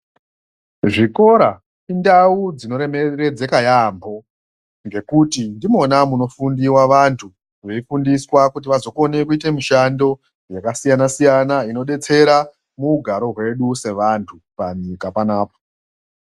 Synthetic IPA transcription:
ʐiko̞ɾa | indaud͡zino̞ɾemere̞d͡zekajambo̞ | ŋɡe̞kutindimo̞namuno̞fundiwaʋantʰu | ʋeifundiswakutiʋazo̞ko̞ne̞kuite̞miʃando̞ | jakasijanasijanaino̞ɗe̞t͡se̞ɾa | muɡʱaɾo̞ɦwe̞ɗuse̞ʋantʰupaɲikapanaːpo̥

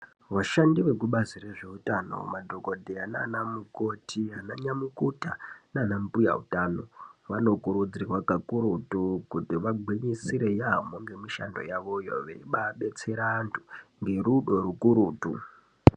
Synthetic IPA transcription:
ʋaʃandiʋe̞kuɓazire̞ʐe̞utano̞̰madʱo̞ko̞dʱeananamuko̞tʰianaɲamukutananamupuja̰ṵtaːno̞̰ʋano̞kuɾud͡zirwakakuɾutukutiʋaɡʱwiɲisiɾe̞jamoŋɡe̞miʃa̰ndo̞̰jaʋo̞jo̰ʋḛɓaɓe̞t͡se̞ɾantʰuŋɡe̞ruɗo̞ɾukuɾuːtṵ

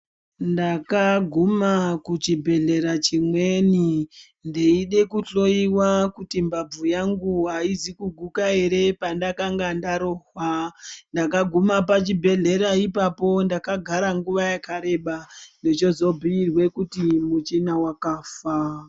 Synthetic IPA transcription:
ndakaɡʱumakut͡ʃibʱe̞ɮe̞ɾat͡ʃimwe̞ni | ndeiɗe̞kuɬo̞iwakutimbab͡vujaŋɡuɦaizikuɡʱukaeɾe̞pandakaŋɡandaɾo̞ɦwandakaɡʱumapat͡ʃibʱe̞ɮe̞ɾaipapo̞ndakaɡʱaɾaŋɡuʋajakaɾe̞ɓanet͡ʃo̞zo̞bʱiirwe̞kutimut͡ʃinawakaːfa

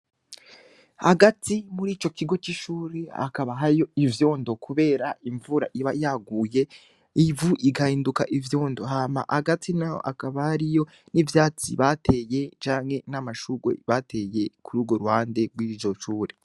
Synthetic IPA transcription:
haɡatimuɾiːt͡ʃo̞ciɡo̞t͡ʃiʃuːɾea̰kaβaɦajo̞ivjo̞ːndo̞kʰuβe̞ːɾaiɱvuɾa̰ʔiβajaɡuːje̞ | ivuʔiɡahiːndukaʔivjo̞ːndo̞ɦaːma̰ʔaɡatʰinao̰ʔa̰kaβahaɾijo̞ | nivjaːt͡sḭβatʰe̞je̞t͡ʃaːŋhe̞namaʃuɡwḛβatʰe̞je̞kʰuɾuːɡo̞ɾuhaːnde̞ɡwiːd͡ʒo̞ʃuːɾe

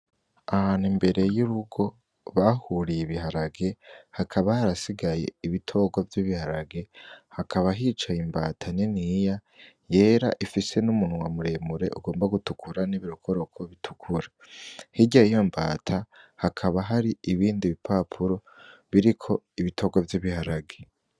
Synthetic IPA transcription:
ahanimbe̞ɾe̞juɾuɡo̞ | βahuɾijiβiɦaɾaɡe̞hakʰaβahaɾasiɡaje̞̰iβitʰo̞ɡwavjiβihaɾaɡe̞hakʰaβaɦiːt͡ʃaimbaːtʰaninija | je̞ːɾaʔifise̞numunwamuɾe̞muɾe̞̰ʔuɡo̞ːmbaɡutukʰuɾaniβiɾokʰo̞ɾo̞kʰo̞βitʰu̥kʰuɾa | hiɟaijo̞mba̰ːtʰahakʰaβaɦaɾiiβiːndiβipʰapʰuɾo̞βiɾikʰo̞iβitʰo̞ɡwavjiβihaɾaɡe̞

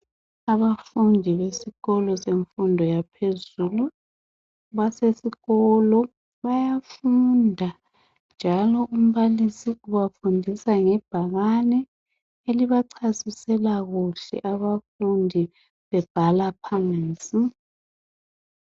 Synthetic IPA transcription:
aβafundʱiβesiɣɔlɔseɱfundʱɔjapʰezuːlu | βasesiɣɔlɔ | βajafundʱa | nd͡ʒʱalɔʔum̩βalisiuβafundʱisaŋɛb̥ʱaɣanɛ | eliβaǀʰasisɛlaɣuɬɛ̰ʔaβafundʱi | βɛb̥ʱalapʰant͡sʼi

